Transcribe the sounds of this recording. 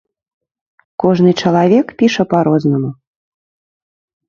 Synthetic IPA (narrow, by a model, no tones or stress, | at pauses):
kɔʐnɨt͡ʂɐlˠavʲɛkpʲiʂɐpaɾoznɐmu